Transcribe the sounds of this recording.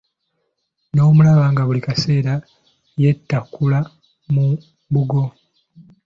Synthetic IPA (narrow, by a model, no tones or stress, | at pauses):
no̞ːmulaβaŋɡaβulikase̞ːɾa | je̞tːakula | mu | buɡo̞